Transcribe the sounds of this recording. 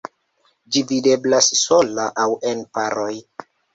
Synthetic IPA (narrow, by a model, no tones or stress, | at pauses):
d͡ʒivide̞blasːo̞laʔawe̞npaɾo̞j